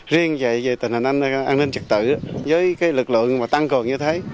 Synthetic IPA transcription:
zi˧əŋvə̰˧˨jve˨˩t̪i̟˨˩hi˨˩nʔa˧ŋn˧ʔaː˧nï˧ŋt͡ɕɨ˨˩k̚t̪ɨ̰˧˨˦zəː˨˦jkaː˨˦jlɨ˨˩k̚lɨ̰˧˨əŋmaː˨˩t̪a˧ŋkə˨˩ŋɲɨ˧t̪ʰeː˨˦

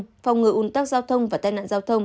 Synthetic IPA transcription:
fa˨˩wŋ͡mŋɨ˨˩ʔu˧˩nt̪aː˦˥k̚zaː˧wt̪ʰə˧wŋ͡mvaː˨˩t̪aː˧jna̰ː˧˨nzaː˧wt̪ʰə˧wŋ͡m

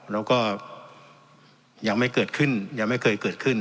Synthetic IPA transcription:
ɾɛː˦˥wkɔː˥˩ | jaː˨˩ŋ̚ma˥˩jkɤː˨˩t̪̚kʰɯ˥˩njaː˨˩ŋma˥˩jkʰɤː˧jkɤː˨˩t̪̚kʰɯ˥˩n

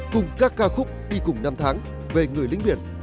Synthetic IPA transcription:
kʊ˨˩ŋ͡mkaː˦˥kːaː˧wxʊ˦˥k͡p̚ɗi˧kʊ˨˩ŋ͡mna˧mt̪ʰaː˨˦ŋ | ve˨˩ŋɨ˨˩əjlï˧˦ŋ̟ɓi˧˩ən

